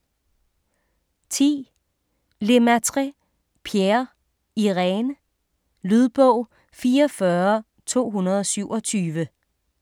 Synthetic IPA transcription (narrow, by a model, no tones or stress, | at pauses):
t͡sʰḭː | le̝mæt͡sʰʁi | pʰjeɐ | iʁɛnə | lyð̞ˠb̥ɔʊ̰ | fiːɐfɶɐ | t͡sʰo̝̰ːɦunɐð̞̩ˠɒ̽syʊ̰ɒ̽t͡sʰyːʋə